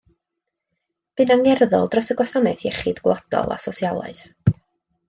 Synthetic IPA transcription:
b̥ɨnaŋɛrðɔ̰lˠdrɔsəɡwasanɛθjɛχɨdɡwlˠad̥ɔ̰lˠa̰sɔsjalˠa̰ɨð̥

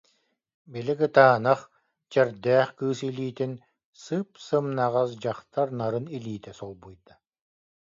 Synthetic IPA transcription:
bilikɯt̪aːnaχ | t͡ɕɛɾd̪ɛːχkɯːsiliːt̪in | sɯpsɯmnaʁas̬d͡ʑaχt̪aɾnaɾɯniliːt̪ɛsɔlˠbujt̪ḁ

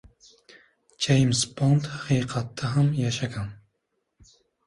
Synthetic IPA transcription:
t͡ʃʰejmspont̪hɑqiːqʰɑt̪ʰːɑɦamjɑʃɑɡɑn

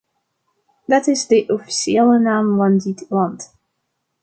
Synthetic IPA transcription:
d̥ɑtɪzdəʔɔfi̥ʃieːlənaːmvɑndɪtlɑnt

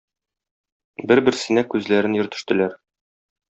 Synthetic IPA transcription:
bɘɾbɘ̆ɾsɘ̆nækʉzlæɾɘnjɵ̆ɾt̪ɵ̆ʃt̪ɘ̆læɾ

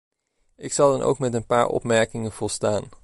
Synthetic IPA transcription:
ɪksɑlˠdɑnʔo̰wkmɛtənpaːɹɔ̰pmɛɹkɪŋənv̥ɔlˠstaːn

